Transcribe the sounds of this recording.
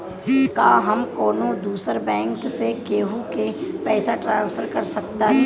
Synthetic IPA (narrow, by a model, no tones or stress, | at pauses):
kaɦɐmkoːnod̪uːsəɾbɛ̃ːŋksekeːɦukepɛːsaʈɾãːnspʰfʰəɾkɐɾsɐkt̪aɦɛ